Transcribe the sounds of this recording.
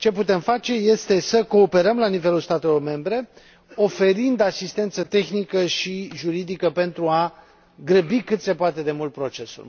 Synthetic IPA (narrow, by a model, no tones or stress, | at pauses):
t͡ʃe̞put̪e̞mfat͡ʃe̞je̞st̪e̞səko̞ːpe̞ɾəmlanive̞lulst̪at̪e̞lo̞rme̞mbɾe̞ | o̞fe̞ɾind̪asist̪e̞nt̪sət̪e̞xnikəʃiʒuɾid̪ikəpe̞nt̪ɾua | ɡɾəbikɨt̪se̞poat̪e̞d̪e̞mult̪̚pɾo̞t͡ʃe̞sṵl